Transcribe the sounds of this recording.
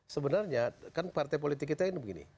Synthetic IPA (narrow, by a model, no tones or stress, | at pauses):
səbənarɲakanpart̪ajp̬olit̪ɪkːit̪ainibəɡinḭ